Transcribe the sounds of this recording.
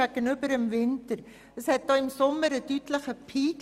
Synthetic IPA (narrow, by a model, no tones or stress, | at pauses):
æɡənybəɾəmvɪntəɾ | əshɛt̚d̥ɑːɪmsʊməɾədytləχəpʰiːk